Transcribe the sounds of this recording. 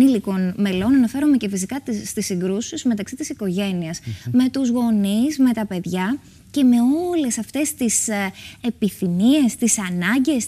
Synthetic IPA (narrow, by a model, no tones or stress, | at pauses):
iliko̞nme̞lo̞nɐnɐfe̞ɾume̞ce̞fisikɐt̪ːt̪isiɡɾusizme̞t̪ɐksit̪isiko̞ʝe̞niɐsme̞t̪uzɣo̞nizme̞t̪ɐpe̞ðʝɐ | ce̞me̞o̞le̞sɐft̪e̞st̪isepiθinie̞st̪isɐnɐɲɟe̞s